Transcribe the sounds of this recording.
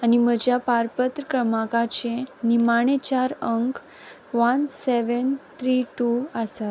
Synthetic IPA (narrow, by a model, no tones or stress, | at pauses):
anim̤əd͡ʑjapaɾpət̪ɾəkɾəmakat͡ɕẽnimaɽ̃et͡ɕaɾəŋk | ʋənseʋənt̪ʰɾiʈuəsat̪